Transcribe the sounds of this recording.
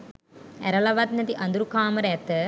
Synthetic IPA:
ɛɾɐlɐʋɐt̪̚nɐt̪iʔɐnd̪uɾukaːmɐɾet̪ːɨ

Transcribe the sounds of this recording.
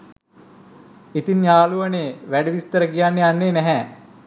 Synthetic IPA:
it̪injaːluʋəneːʋæɖiʋist̪əɾəkijanːeanːeːnɛɦɛ

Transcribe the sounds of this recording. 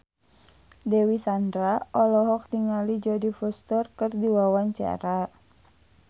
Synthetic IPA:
dɛwisandɾaɔlɔɦɔk̚t̪iŋalid͡ʒɔdifɔst̪ɔrkərdiwawaɲt͡ʃa̰ɾa

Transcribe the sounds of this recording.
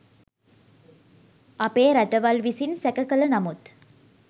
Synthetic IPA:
ɐpeːɾɐʈɐʋɐlʋisinsɛkɐkɐlɐnɐmut̪

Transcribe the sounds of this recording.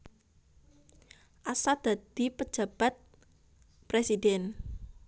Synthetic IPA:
ʔasad̪̥a̤d̪̥ipəd͡ʒ̥a̤b̥at̪̚ | pɾesidɛn

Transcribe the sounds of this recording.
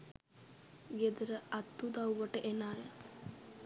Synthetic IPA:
ɡed̪əɾəʔat̪ːud̪awʋəʈəʔenaːja

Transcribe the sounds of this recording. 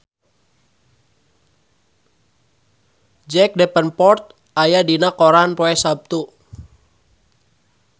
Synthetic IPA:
d͡ʒɛk̚dɛpənpɔrt̪̚ | ajadinakɔɾanpoɛsab̚t̪u

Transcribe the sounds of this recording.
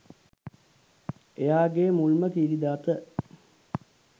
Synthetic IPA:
ejaːɡeːmulmək̪iːɾid̪aːt̪ə

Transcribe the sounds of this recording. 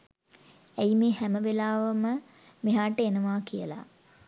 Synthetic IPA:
æjmeːhæməʋelaːʋəmə | miɦaːʈəenəʋaːkijəla̰

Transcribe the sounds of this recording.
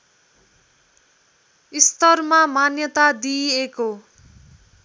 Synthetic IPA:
ist̪ʌrmamanjʌt̪ad̪ieko

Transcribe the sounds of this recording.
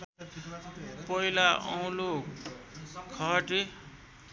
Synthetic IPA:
pʌilaʌ̰w̃lo | kʰʌʈe

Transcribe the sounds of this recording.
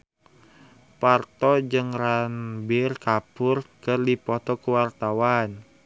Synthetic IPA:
part̪ɔd͡ʒɨŋranbɪrkapʊrkɨrdipɔt̪ɔkəwart̪awan

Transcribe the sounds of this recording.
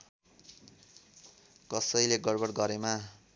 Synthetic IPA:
kʌsʌjleɡʌɽbʌɽɡʌɾema

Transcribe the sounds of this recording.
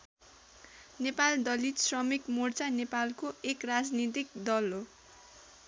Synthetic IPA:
nepald̪ʌlit̪srʌmikmort͡sanepalkoekrad͡znit̪̬ik̚d̪ʌlɦo

